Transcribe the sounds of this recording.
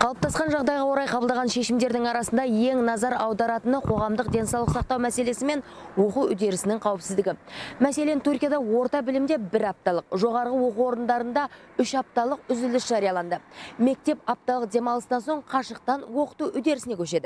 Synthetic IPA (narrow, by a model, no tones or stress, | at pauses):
qʰɑlˠəp̚t̪ʰɑsqɑnʒɑʁd̪ɑjʁɑwo̞ɾɑjqʰɑbəlˠd̪ɑʁɑnʃe̞ʃɪmd̪e̞ɾd̪ɪŋɑɾɑsənd̪ɑje̞ŋnɑzɑɾɑwd̪ɑɾɑt̪ənəqʰo̞ʁɑmd̪əqd̪ʲe̞nsɑwlˠəqsɑq̚t̪ɑwmæse̞le̞sɪme̞n | wo̞quwʏd̪e̞ɾɪsɪnɪŋqʰɑwɪpsɪzd̪ɪɡʲɪmæse̞le̞nt̪ʰurkʲijɑd̪ɑwo̞ɾt̪ɑbɪlɪmd̪e̞bɪɾɑp̚t̪ɑlˠəqʒo̞ʁɑɾʁəwo̞quo̞ɾənd̪ɑɾənd̪ɑ | ʏʃɑp̚t̪ɑlˠəqʏzɪlɪsʒ̥ɑɾijɑlˠɑnd̪əme̞k̚t̪e̞pɑp̚t̪ɑlˠəqd̪ʲe̞mɑlˠəst̪ɑnso̞ɴqʰɑʃəq̚t̪ɑnwo̞qə̥t̪uʏd̪e̞ɾɪsɪnekʰʲɵʃe̞d̪ɪ